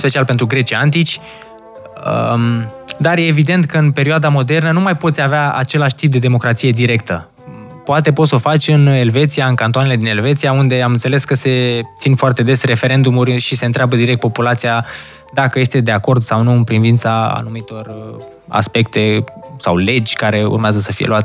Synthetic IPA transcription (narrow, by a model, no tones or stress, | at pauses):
spe̞t͡ʃialpent̪ɾuɡɾe̞t͡ʃiant̪it͡ʃʲ | ə | d̪arje̞ːvid̪e̞nt̪kəɨnpe̞ɾioad̪amo̞d̪e̞rnənumajpo̞t̪sʲaveaa̰t͡ʃe̞laʃʲt̪ip̚d̪e̞d̪e̞mo̞kɾat̪sije̞d̪iɾe̞kt̪ə | poat̪̬e̞po̞t̪sofat͡ʃʲɨne̞lve̞t̪sijaɨnkant̪oanele̞d̪ine̞lve̞t̪siaund̪e̞amɨnt̪se̞le̞skəse̞t̪sinfoart̪e̞d̪e̞sre̞fe̞ɾe̞nd̪umurʲʃise̞ɨnt̪ɾeabəd̪iɾek̚t̪populat̪sija | d̪akəje̞st̪e̞d̪e̞ako̞rd̪sawnuɨnpɾinvint̪saa̰numit̪o̞r | a̰spe̞kt̪e̞sa̰wle̞d͡ʒʲkaɾe̞ṵrmeazəsəfijeluat̪